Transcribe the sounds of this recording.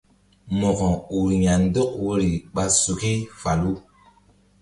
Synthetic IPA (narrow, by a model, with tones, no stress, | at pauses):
mɔ˨kɔ̃˨u˨ɾɲa˨n˦dɔ˦k̚wo˦ɾi˨ɓa˧su˨ke˦fa˨lu˦